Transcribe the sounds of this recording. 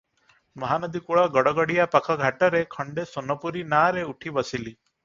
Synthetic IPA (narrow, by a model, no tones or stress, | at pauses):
mɔɦanəd̪ikuɭɔɡɔɽɔɡɔɽijapakʰɔɡʱaʈəɾekʰəɳɖesonɔpuɾinaɾeuʈʰibəsili